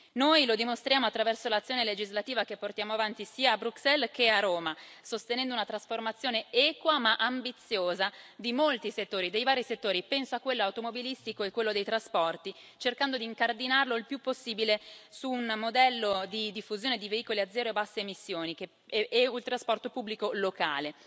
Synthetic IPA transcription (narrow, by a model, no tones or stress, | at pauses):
nojlod̪imost̪ɾjaːmoat̪ːɾavɛrsolat̪sːjoːneled͡ʒizlat̪iːvakepːort̪jaːmoavant̪isiːaːbɾuksɛlkeaɾoːmasost̪enɛnd̪ounat̪ɾasformat̪sːjoːneɛːkwamaʔambit̪sːjoːzad̪imolt̪iset̪ːoːɾid̪ejvaːɾiset̪ːoːɾipɛnsoakːwelːoawt̪omobilist̪ikoekːwelːod̪ejt̪ɾaspɔrt̪i | t͡ʃerkand̪od̪iːŋkard̪inarloilpjupːosːiːbilesuːnmod̪ɛlːod̪id̪ifːuzjoːned̪iveiːkoliad̪zːɛːɾoebasːeːmisːjoːnike | eult̪ɾaspɔrt̪opubːlikoloka̰ːle